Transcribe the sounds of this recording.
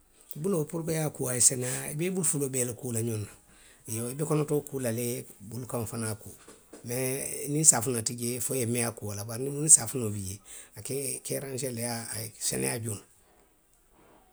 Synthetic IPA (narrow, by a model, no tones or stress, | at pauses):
bulopuɾkejakuajisɛnaibebulufulobɛːlakuːlaɲona | joibekɔnotokuːlalebulukãnfanakuːmenĩnsafunatiɟefojemɛakualabaɾnimunisafunobiɟeakekɛːɾãnʃ̬ɛlejaːsɛ̰nɛ̰jaɟuna